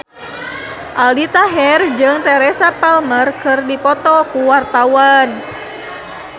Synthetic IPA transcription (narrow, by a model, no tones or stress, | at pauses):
ʔalit̪aɦɛrd͡ʒɨŋt̪ɛɾɛsapɛlmərkɨrdipɔt̪ɔkuwart̪awan